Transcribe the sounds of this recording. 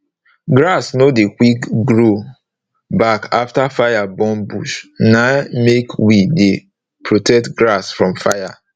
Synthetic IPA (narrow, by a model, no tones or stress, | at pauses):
ɡɾasnodekwikɡɹo | bakaftafajabɔ̃nbuʃnamekwide | pɹotɛk̚tɡɾasfɹɔ̃mfaɪja̰